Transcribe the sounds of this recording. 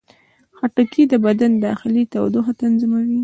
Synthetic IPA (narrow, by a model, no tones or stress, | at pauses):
xaʈakʰid̪əbad̪and̪ɑxɪlit̪awd̪oxat̪anzimawi